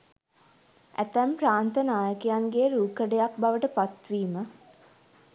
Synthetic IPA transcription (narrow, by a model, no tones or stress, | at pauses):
ʔæ̰t̪æmpɾaːnt̪ənaːjəkejaŋɡeːɾuːkəɖejak̚baʋəʈəpat̪ʋiːmə